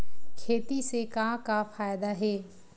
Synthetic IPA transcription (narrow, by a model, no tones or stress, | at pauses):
kʰeːt̪isekãːkafaːjd̪aɦeː